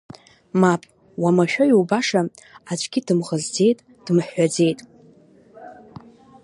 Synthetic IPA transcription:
mapʼ | wamaʃᶣajiwbaʂa | at͡ʃʷʼɡʲɪdɨmʁəzd͡ze̞jtʼ | d̥ɨmħːad͡ze̞jtʼ

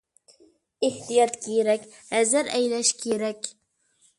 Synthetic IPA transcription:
eht̪ijɑt̪kʲʰiɾækʲ | æzɘɾæ̰jlæʃkʲʰeɾækʲ

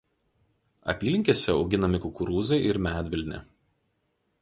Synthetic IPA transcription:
ɐ̰pʲiːlʲɪŋʲkʲeːsʲɛɐ̰ʊɡʲɪnɐmʲɪkʊkʊɾuːzɐɪʔɪɾmʲæːt̪ʲʋʲɪlʲnʲɛ̰

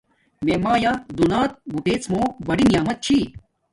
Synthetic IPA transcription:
meːmaːjad̪unaːt̪̚buʈeːt͡smoːbɐɽinijaːmɐt̪̚t͡ɕʰi

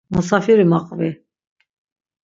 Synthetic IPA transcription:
musafiɾimaqʼvi

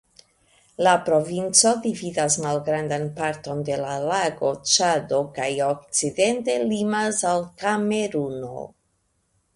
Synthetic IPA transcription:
lapɾo̞vint͡so̞dividasmalɡɾand̪anpaɾto̞nde̞lalaɡo̞t͡ʃado̞kajo̞k̚t͡side̞nte̞limasalkameɾuno̞̰

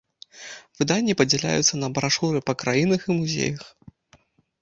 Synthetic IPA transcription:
v̥ɨd̪anʲːipɐd͡zʲɛlʲa̰jut̪sːɐnɐbɾaʂuɾɨpɐkɾajinɐximuzʲḛjɐx

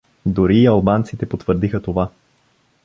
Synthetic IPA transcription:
d̪ʊɾiːɐlˠbant̪sit̪ɛpot̪vəɾd̪ixət̪ova

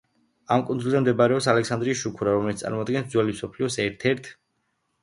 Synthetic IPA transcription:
amkʼund̪zulˠzɛmd̪ɛbaɾɛɔpsalɛksand̪ɾisʃukʰuɾaɾɔmɛlit̪sʼa̰ɾmɔad̪̚ɡɛnsd̪zwɛlimsɔpʰliɔsɛɾt̪ʰɛɾt̪ʰ

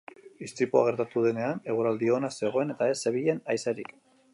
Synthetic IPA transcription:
ist̪ipoa̰ɣ̞e̞ɾt̪at̪uð̞e̞ne̞ane̞ɣ̞uɾald̪io̞nase̞ɣ̞o̞e̞ne̞t̪ae̞sːe̞β̞iʎe̞najseɾik

